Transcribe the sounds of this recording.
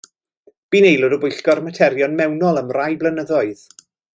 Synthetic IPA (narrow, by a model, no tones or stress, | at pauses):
b̥iːnejlˠʊdəbʊjɬɡ̥ɔrmatʰɛɾjɔnmɛwnɔlˠəmrajblənəðɔɨð̥